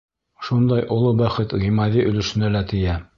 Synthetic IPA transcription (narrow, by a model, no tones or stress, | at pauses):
ʃund̪ɑjʔŏlˠobæχɘt̪ʁimɑðiʔɵ̆lɘ̆ʃɘ̆nælæt̪ɘ̆jæ